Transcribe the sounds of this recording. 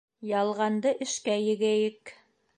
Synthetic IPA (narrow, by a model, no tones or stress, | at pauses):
jɑlˠʁɑnd̪ɤʔɘ̆ʃkæjɘ̆ɡæjɘk